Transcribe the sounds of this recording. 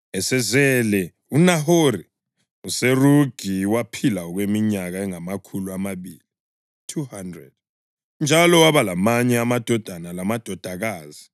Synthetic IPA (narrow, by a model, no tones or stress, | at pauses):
ɛsɛzɛlɛ | unaɦori | useruɡ̥ʱiwapʰilaɔɣwemiɲaɣaɛŋamakʰuluamaβiːli | tʰuhandrɛ̰d̥̚ | nd͡ʒʱalɔwaβalamaɲɛamad̥ʱɔd̥ʱanalamad̥ʱɔd̥ʱaɣaːzi